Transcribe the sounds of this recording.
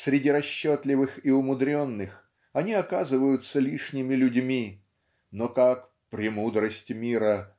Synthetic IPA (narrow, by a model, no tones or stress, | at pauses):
sʲɾʲɪdʲiɾɐɕːot̪lʲɪvɨxiʊmʊd̪ɾʲo̞nːɨx | ɐnʲiɐkazɨvəjʊt̪səlʲiʂnʲɪmʲɪlʲʊdʲmʲi | nokak | pɾʲɪmud̪ɾəsʲtʲɪmʲiɾə